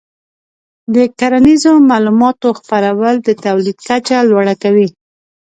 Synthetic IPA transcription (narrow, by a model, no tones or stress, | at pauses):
d̪əkaɾanizomɑlumɑt̪oxpaɾawəld̪ət̪awlid̪kat͡ʃalwaɽakawi